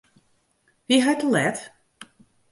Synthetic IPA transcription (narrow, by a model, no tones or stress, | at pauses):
ʋiɦajtəlɛt